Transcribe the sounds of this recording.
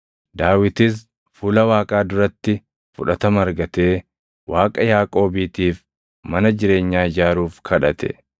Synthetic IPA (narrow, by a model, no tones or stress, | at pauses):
d̪aːwɪt̪ɪs̬ | fuːlɐwaːkʼaːd̪ʊɾɐt̪ːɪ | fʊᶑɐt̪ɐmɐɾɡɐt̪e̞ː | wʔaːkʼɐjaːkʼo̞ːbiːt̪iːf | mɐnɐd͡ʒɪɾe̞ːɲːaːɪd͡ʒaːɾuːfkʰɐᶑɐt̪ʰɛ̥̰